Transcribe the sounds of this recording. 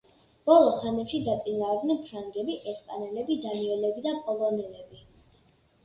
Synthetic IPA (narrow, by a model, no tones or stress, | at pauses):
b̥ɔlˠɔχanɛpʃid̪at̪sʼinaːɾɡ̪nɛnpʰɾaŋɡɛbiʔɛspʼanɛlɛbid̪aniɔlɛbid̪apʼɔlˠɔnɛlɛbi